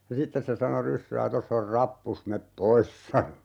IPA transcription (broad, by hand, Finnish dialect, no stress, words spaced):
jɑ sitːes se sɑno rysːæː tosː or rɑpːus mep pois sɑno